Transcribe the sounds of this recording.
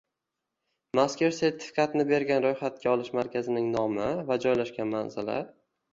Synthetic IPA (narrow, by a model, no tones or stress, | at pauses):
maskʲeɾse̞ɾt̪ʰɪ̥fi̥kʰat̪ʰɪnɪbe̞ɾɡʲanɾojχat̪̚kʲaɒlˠɪʃmaɾkʲʰazɪnɪŋnɒmɪvad͡ʒɒjlaʃkʲanmanzɪla̰